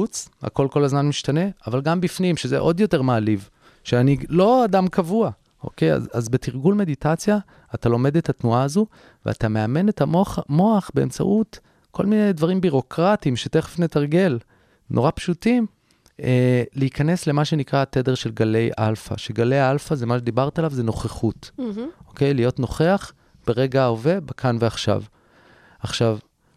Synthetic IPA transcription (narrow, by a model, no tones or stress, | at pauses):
ut͡sha̰ko̞lko̞lazmanmiʃtane̞avalɡambifnimʃezḛʔo̞djo̞te̞ʁmaːliv | ʃeanilo̞adamkavua | ʔo̰keja̰zazbetiʁɡulme̞ditat͡sjaː | talo̞me̞dethatnuaːzu | vḛa̰tame̞ame̞netaomo̞aχbe̞̰ːmt͡sa̰ʔut | kʰo̞lminejdvaʁimbiʁo̞kʁatimʃeteχefnetaʁɡe̞l | nʔo̞ʁapʃutim | eliikʰane̞sle̞maʃe̞nikʁatede̞ʁʃe̞lɡale̞jʔa̰lfa̰ʃeɡale̞jalfazemaʃed̪ibaʁt̪alavzeno̞χeχutʔo̞ke̞jlijo̞tnoχe̞aχ | b̥eʁe̞ɡaove̞bakʰanveaχʃa̰v | aχʃav